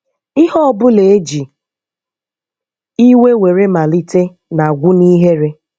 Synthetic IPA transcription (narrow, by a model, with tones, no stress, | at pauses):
ɪ˦hɔ˦bʊ˦le˨e˦d͡ʒi˨ | i˦we˦we˨ɾe˦ma˨li˦te˦ | na˨ɡʷʊ˦ni˦ɦe˦ɾe˦